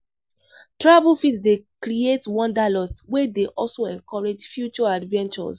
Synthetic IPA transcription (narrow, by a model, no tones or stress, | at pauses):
tɹavulfitsdekɹietwɔ̃ndalɔswɛdeʔɔlsoɛ̃ŋkɔɹed͡ʒfjut͡ʃɔadvɛ̃nt͡ʃɔ̰s